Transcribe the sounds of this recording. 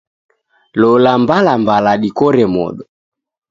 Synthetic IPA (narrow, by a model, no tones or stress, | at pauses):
lɔlambalambalaɗikɔɾɛmɔ̰ɗɔ